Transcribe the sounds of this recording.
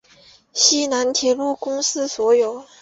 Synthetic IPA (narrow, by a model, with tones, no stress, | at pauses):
ɕi˥na˧˥nt̪ʰjɛ˧˥lu˥˩kʊ˥ŋsɹ̩˥swɔ˧˥jo˨˩˦ʊ